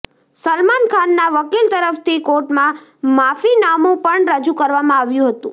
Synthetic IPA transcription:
səlmankʰanːaʋəkilt̪əɾəft̪ʰikoʈmã | mafinamũpəɳɾəd͡ʒukəɾʋamãaʋjũɦət̪ṵ̃

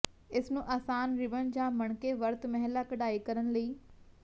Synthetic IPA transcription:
ɪsnũʔaːsaːnɾɪʋənɪ̆d͡ʑaːmɐɽ̃keʋɐɾt̪mɐɦlakɐɗaːikɐɾəɽ̃̆lɐiː

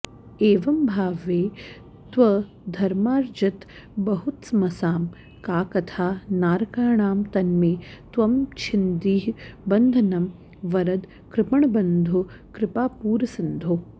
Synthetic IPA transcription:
eːʋɐmbʱaːʋeː | t̪ʋɐ | d̪ʱɐɾmaːɾd͡ʒɐt̪ | bɐɦut̪smɐsaːm | kaːkɐt̪ʰaːnaːɾkaːɳaːmt̪ɐnmeːt̪ʋɐmt͡ʃʰind̪iːɦbɐnd̪ʱɐnɐm | ʋɐɾɐd̪ | kɾɪpɐɳɐbɐnd̪ʱu | kɾɪpaːpuːɾɐsind̪ʱu

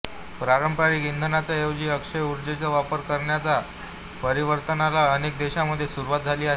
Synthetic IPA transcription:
pɾaɾəmpaɾiːɡind̪ʱənat͡sajəwd͡ʑiːəkʂəjuɾd͡ʑet͡səʋapəɾkəɾɳjat͡sa | pəɾiʋəɾt̪ənalaənek̚d̪eɕaməd̪ʱːjesuɾuʋat̪̚d͡zʱaliːaɦe

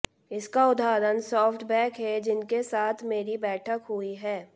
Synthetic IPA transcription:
ɪskaʊd̪aːɾənsɔːfʈbɛːkɦɛd͡ʒɪnkesaːt̪ʰmeːɾibɛːʈʰəkɦʊiɦɛː

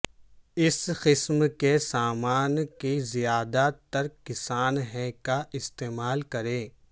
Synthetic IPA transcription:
ɪsqɪsmkesaːmaːnkezijaːd̪at̪ɐɾkɪsaːnɦɛ̃kaʔɪst̪eːmaːlkɐɾẽː

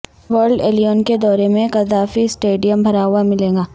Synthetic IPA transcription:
ʋəɾɖeːlijoːnked̪ɔːɾemẽkɐzaːfisʈeːɖijəmbʱɐɾaːʊamɪlẽːŋɡaː

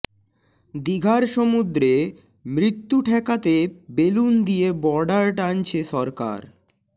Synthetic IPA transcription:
d̪iɡʱaɾʃomud̪ɾe | mɾit̪ːuʈʰɛkat̪ebelund̪ijebɔɖaɾʈant͡ɕʰeʃɔɾka̰ɾ

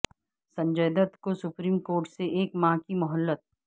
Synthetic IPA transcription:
sɐ̃ɲd͡ʒəːd̪ət̪kosʊpɾiːmkoːɾʈseʔeːkmãkimʊɦəlːət̪̚

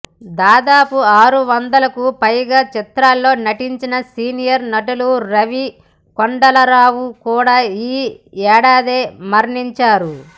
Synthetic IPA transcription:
d̪aːd̪aːpuaːɾuʋɐnd̪ɐlɐkupɐjɡaːt͡ʃit̪ɾaːlːo̞ːnɐʈiɲt͡ʃinɐsiːnijɐɾnɐʈuluɾɐʋi | koɳɖɐlɐɾaːwukuːɽaːiːɛːɽaːd̪eːmɐɾɳiɲt͡ʃaːɾu

